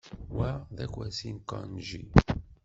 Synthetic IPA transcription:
wæðækʷːwæsinkːɑ̰nʒḭ

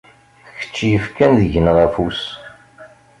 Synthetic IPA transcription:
çə̥t͡ʃːijəfkænðəʝənʁæfus

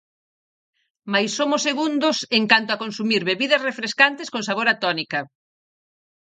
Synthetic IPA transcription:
majsːomʊseɣund̪ʊseŋkant̪oakonsumiɾβeβiðɐsrefɾeskant̪eskoŋsaβ̞oɾat̪ɔnikɐ

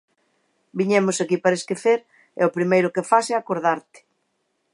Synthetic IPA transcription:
biɲemosakipaɾɐeskeθeɾ | ɛ̰opɾimejɾʊkefasɛakoɾðaɾt̪ɪ̥

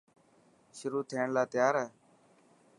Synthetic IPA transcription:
ʃʊɾuːt̪ʰiːəɳlaːt̪ɪjaːɾɛː

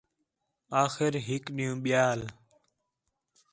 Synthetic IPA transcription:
aːxɪɾɦɪkɗɪjũːɓɪjaːl

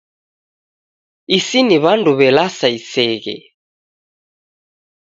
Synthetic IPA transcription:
isiniβanduβɛlasaisɛɣɛ̰

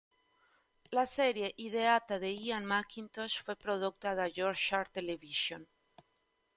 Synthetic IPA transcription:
laseɾje̞ʔiðe̞at̪aðeianmakint̪osfwe̞pɾoðuk̚t̪aðaʝoɾʃaɾt̪eleβisjon

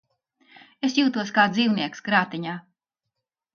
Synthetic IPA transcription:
esjuːt̪uɔskaːd̪ziːwniɛkskɾaːt̪iɲaː

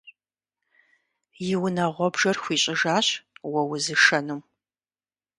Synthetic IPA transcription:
jɪwnɐʁʷɔbʐɐrxʷiːɕʼɪʒaːɕwɐwʊzɨʂɐnɨm

